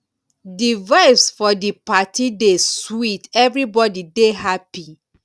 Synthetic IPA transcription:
divaɪfsfɔdipatideswitɛvɹibɔdidehapi

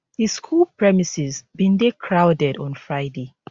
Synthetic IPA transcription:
ðiskʰuːlpʰɹɛmisɪzbĩndekʰɹaʊdɛdɔ̃nfɹaɪde

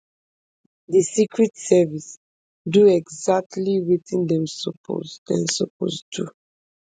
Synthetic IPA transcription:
disikɹitsɛvis | duɛɡzak̚tʰliwitĩndɛ̃msɔpʰo̰zdɛ̰̃nsɔpo̰ztʰu

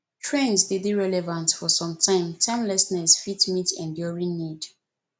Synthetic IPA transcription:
tʰɹẽnsdidiɹɛlɛvãntfɔsɔ̃mtʰãɪ̃mtʰãɪ̃mlɛsnɛsfitmitɛ̃ndjɔɹĩnnid

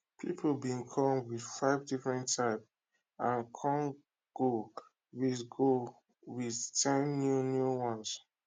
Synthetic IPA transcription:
pʰipʰobĩnkʰɔ̃mwið̥faɪvdifɹɛ̃ntʰːaɪp | ãnkʰɔ̃n | ɡ̥o | wisɡo | wið̥tʰɛ̃nːjunjuwɔ̃ns

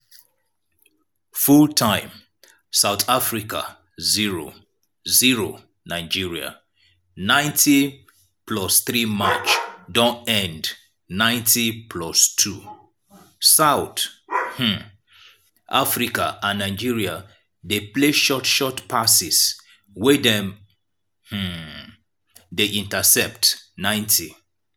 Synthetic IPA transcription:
fultʰãɪ̃m | saʊθafɹika̰ | ziɹo̰ | ziɹo | naɪd͡ʒiɹia̰ | nãɪ̃ntʰi | plɔsθɹimat͡ʃdɔ̃ntɛ̃nd | nãɪ̃ntipʰlɔstʰu | saʊθh̩ | ʔa̰fɹikaʔãnːaɪd͡ʒiɹia | depleʃɔtʃɔtpʰasis | wɛdɛ̃m | hm̩ | deʔĩntasɛp̚tnãɪ̃ntʰi

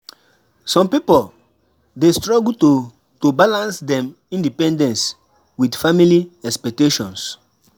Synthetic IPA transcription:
sɔ̃mpipol | destɹɔɡlto | tobalãnsdɛ̃m | ĩndipɛ̃ndɛ̃ns | widfamiliɛkspɛk̚teʃɔ̃ns

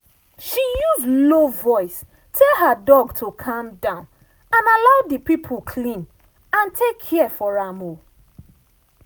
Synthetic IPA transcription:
ʃijuzlovɔɪs | tʰɛlɦadɔɡtʰokʰãmdãʊ̃n | ãnalaʊdəpipʰokʰlĩn | ãntʰekʰːɛfɔɹamo

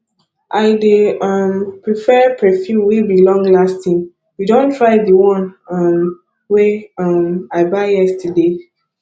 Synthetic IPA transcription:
ʔaɪdeʌmpɹifɛpʰɹɛfjũmwibilɔ̃ŋɡlastĩŋ | widõntʰɹaɪdəwɔ̃nʌm | weʌmaɪbaɪjɛstʰəde

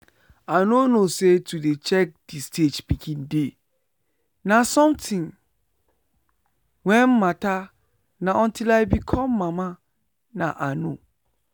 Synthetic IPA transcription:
anõnõsetʰudet͡ʃʰɛk̚d̥istʰed͡ʒpikʰĩnde | nãsɔ̃mtʰɪ̃ŋ | wɛ̃nːãtʰa | nãʔɔ̃ntʰilajbikʰɔ̃mːãmã | nã̰ʔanõ̰

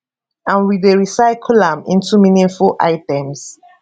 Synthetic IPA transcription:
ãnwideɹisaɪkʰlãmĩntuminĩnfulʔa̰ɪtɛ̃ms

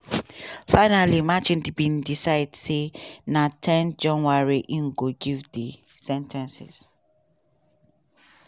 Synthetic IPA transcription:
faɪnalimat͡ʃĩndibĩndisaɪdsenatʰɛ̃nd͡ʒɔ̃nwaɹiʔĩŋɡoɡivdi | sɛ̃ntʰɛ̃nsḭs

